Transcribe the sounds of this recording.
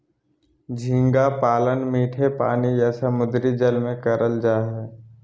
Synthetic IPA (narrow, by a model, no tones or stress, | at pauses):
d͡ʒʱĩːŋɡapaːlənmiːʈʰepa̰ːnijasəmʊd̪ɾid͡ʒəlmẽkəɾəld͡ʒaːɦɛː